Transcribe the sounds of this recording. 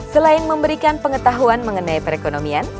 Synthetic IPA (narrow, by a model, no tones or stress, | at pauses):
səlaɪnməmbəɾikanpəŋət̪aɦuanməŋənajpəɾekonomian